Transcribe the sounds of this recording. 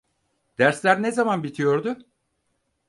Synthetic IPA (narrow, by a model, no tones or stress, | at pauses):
d̪̥æɾslʲæɾnezamanbit̪ʰijo̞ɾd̪ʊ